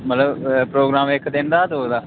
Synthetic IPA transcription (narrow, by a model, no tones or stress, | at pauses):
mət̪ləbpɾoːɡɾaːmɪkʰd̪ɪnd̪aːt̪oːd̪aː